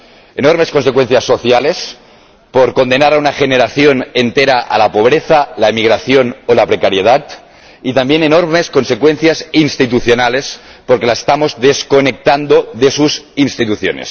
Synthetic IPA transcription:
enoɾme̞skonsekwe̞nθjasːo̞θjale̞s | poɾko̞nd̪enaɾaunaxeneɾaθjo̞nent̪eɾaʔa̰lapo̞β̞ɾeθalaemiɣɾaθjo̞nolapɾekaɾjeð̞at̪ | it̪ambje̞neno̞ɾmesko̞nsekwenθjasinst̪it̪uθjonale̞s | poɾke̞laest̪amo̞zðe̞skonek̚t̪and̪o̞ðesusinst̪it̪uθjo̰nḛs

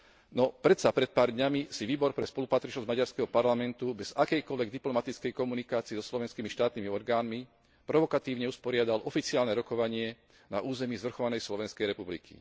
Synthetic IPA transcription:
nɔpɾɛt̪sapɾɛt̪̚paːɾd̪ɲamisiʋiːbɔɾpɾɛspɔlupat̪ɾit͡ʃɔzmaɟaɾskɛɦɔpaɾlamɛnt̪ubɛz̥akɛjkɔlʋɛɡd̪iplɔmat̪it͡skɛjkɔmunikaːt͡siɛzɔslɔʋɛnskimiʃt̪aːt̪nimiɔɾɡaːnmi | pɾɔʋɔkat̪iːʊɲɛuspɔɾɪad̪alʔɔfit͡siaːlnɛɾɔkɔʋaɲɪɛ | na̰ʔuːzɛmiːzʋr̩xɔʋanɛjslɔʋɛnskɛjɾɛpublḭkʰḭ

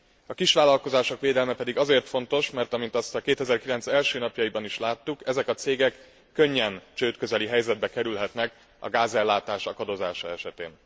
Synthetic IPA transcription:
ɒkiʃʋaːlːɒlko̞zaːʃo̞kʋeːd̪ɛlmɛpɛd̪iɡɒzeːrt̪fo̞nt̪o̞ʃmɛrt̪ɒmint̪ɒst̪ɒkeːt̪ɛzɛrkilɛnt̪sɛlʃøːnɒpjɒjibɒniʃlaːt̪ːukɛzɛkɒt̪seːɡɛkː | ø̞ɲːɛnt͡ʃøːt̪køzɛliɦɛjzɛd̪̚bɛkɛɾylɦɛt̪nɛk | ɒ̰ɡaːzɛlːaːt̪aːʃɒkɒd̪o̞zaːʃɒɛʃɛt̪eːn

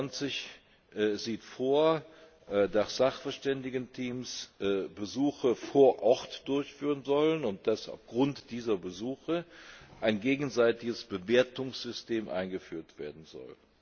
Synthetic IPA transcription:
ant͡sɪç | ʔziːtfoːɐ | ʔdasz̥aχfɛɐʃtɛndɪɡən̩tʰiːmsʔbəzuːxəfoːɐʔɔʁtd̥ʊɐçfyːʁənzɔlənʊnt̚d̥asa̰ʊfɡ̥ʁʊntd̥iːzɐbəzuːxəʔaɪnɡeːɡn̩zaɪtɪɡəsb̥əveːɐtʊŋsz̥ʏsteːmʔa̰ɪnɡəfyːɐtv̥ḛːɐdn̩zɔ̰l

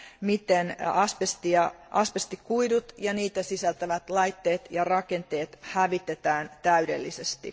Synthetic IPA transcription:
mit̪enɑspest̪iɑ | ʔɑspest̪ikuidut̪jɑniːt̪æsisælt̪æʋæt̪lɑit̪ːeːt̪jɑrɑkent̪eːt̪hæʋit̪et̪æːnt̪æydelːisest̪ḭ

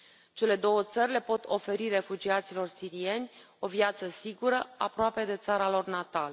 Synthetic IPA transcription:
t͡ʃe̞le̞d̪o̞wət̪sərʲle̞po̞t̪ʰo̞fe̞ɾire̞fud͡ʒiat̪silo̞rsiɾie̞nʲ | o̞vjat̪səsiɡuɾəa̰pɾoape̞d̪e̞t̪saɾalo̞rnat̪alə

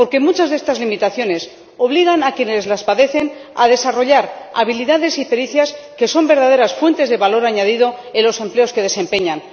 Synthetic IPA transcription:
po̞ɾke̞mut͡ʃazðe̞st̪azlimit̪aθjo̞ne̞s | o̞βliɣ̞anakjenezlaspaðe̞θe̞n | a̰ð̞e̞saro̞ʎaɾa̰β̞iliðaðe̞sipe̞ɾiθjas | ke̞so̞mbe̞ɾðað̞e̞ɾasfwe̞nt̪ezðe̞βalo̞ɾaɲaðiðo̞elo̞sẽ̞mple̞o̞ske̞ð̞e̞sẽ̞mpe̞ɲan

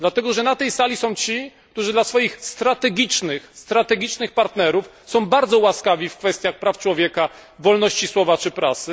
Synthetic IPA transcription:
d̪̥lat̪ɛɡɔʐɛnat̪ɛjsalʲisɔ̃w̃t͡ɕik̚t̪uʐɘd̪lasfɔjixst̪ɾat̪ɛɡʲit͡ʂnɘxst̪ɾat̪ɛɡʲit͡ʂnɘxpaɾt̪nɛɾuf | sɔ̃w̃baɾd̪zɔwaskavʲifkfɛst̪ʲjaxpɾaft͡ʂwɔvʲjɛkavɔlnɔɕt͡ɕiswɔvat͡ʂɘpɾasɘ

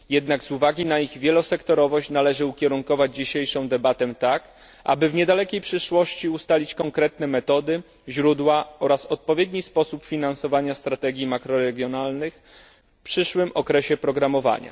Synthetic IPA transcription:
jɛd̪naɡzuvaɡʲinaiɣvʲjɛlɔsɛkt̪ɔɾɔvɔɕt͡ɕnalɛʐɘukʲɛɾuŋkɔvad͡ʑd͡ʑiɕejʂɔ̃w̃d̪ɛbat̪ɛt̪ak | ʔa̰bɘvɲɛd̪alɛkʲejpʂɘʂwɔɕt͡ɕiust̪alʲit͡ɕkɔŋkɾɛt̪nɛmɛt̪ɔd̪ɘ | ʑɾud̪waɔɾasɔt̪̚pɔvʲjed̪ɲispɔsupfʲinansɔvaɲast̪ɾat̪ɛɡʲjimakɾɔɾɛɡʲjɔnalnɘx | fpʂɘʂwɘmʔɔkɾɛɕɛpɾɔɡɾamɔva̰ɲa̰

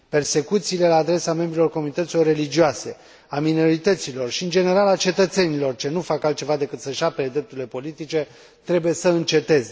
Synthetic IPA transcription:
pe̞rse̞kut̪siːle̞laːd̪ɾe̞same̞mbɾilo̞rko̞munit̪ət̪silo̞rːe̞lid͡ʒioase̞ | amino̞ɾit̪ət̪silo̞rʃiɨnd͡ʒe̞ne̞ɾalat͡ʃe̞t̪ət̪se̞nilo̞rt͡ʃe̞nufakalt̪̚t͡ʃe̞vad̪e̞kɨt̪səʃapeed̪ɾe̞pt̪uɾile̞po̞lit̪it͡ʃe̞ | t̪ɾe̞buje̞səɨnt͡ʃe̞t̪e̞z

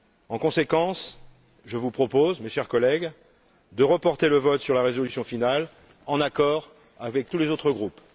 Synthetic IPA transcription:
ɑ̃kɔ̃sekɑ̃s | ʒəvupχɔpozmeʃɛʁkɔlɛɡ | d̪əʁəpɔʁt̪eləvɔt̪syʁlaʁezɔlysjɔ̃final | ɑ̃nakɔʁ | avɛk̚t̪ulezot̪χəɡʁup

